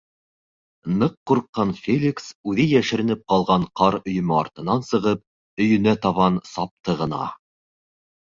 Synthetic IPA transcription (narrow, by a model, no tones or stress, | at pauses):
nɤqːuɾqːɑnfʲelʲiksʉðɘjæʃɘ̆ɾɘ̆nɘp̚qɑlˠʁɑɴqɑɾɵ̆jɵ̆mɤɑɾt̪ɤ̆nɑnsɤ̆ʁɤp̚ | ɵ̆jɵ̆næt̪ɑβɑnsɑp̚t̪ɤʁɤ̆nɑ̰